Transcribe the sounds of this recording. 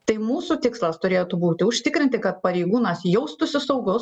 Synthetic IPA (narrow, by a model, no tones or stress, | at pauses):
t̪ɐɪmuːsut̪ʲɪkslˠɐst̪ʊɾʲeːt̪ubuːt̪ʲɪʊʃʲt̪ʲɪkɾʲɪnʲt̪ʲɪkɐt̪̚pɐɾʲɛɪɡuːnɐsjɛʊst̪ʊsʲɪsɐʊɡʊs